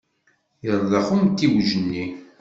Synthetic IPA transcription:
jəɾˤðˤɑχumt̪ːiwʒənːi

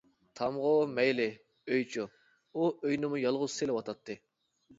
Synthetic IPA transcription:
t̪ʰɑmʁʊmɛjlɪ | øjt͡ʃʰu | uøjnɪmujɑlˠʁʊz̥selɪwɑt̪ʰɑt̪ʰːɨ

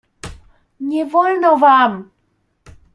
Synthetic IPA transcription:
ɲʲevɔlnɔvam

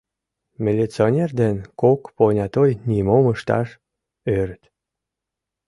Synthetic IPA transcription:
mʲilʲit͡sionʲerd̪enkokponʲɑt̪ojnimoməʃt̪ɑ̰ʃ | øɾət̪

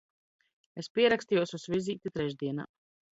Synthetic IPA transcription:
espʲiɛɾakst̪ijuɔsusvʲiziːt̪ʲit̪ɾɛʒd̪iɛna̰ː

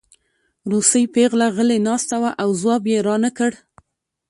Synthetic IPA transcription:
ɾusəjpeɣlaɣəlenɑst̪awaʔawzwɑbjeɾɑnəkəɽ

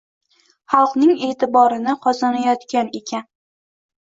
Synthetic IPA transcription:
χɑlˠqnɪŋe̞ːt̪ɪbɒɾɪnɪqʰɒzanajɒt̪kʲane̞kʲan

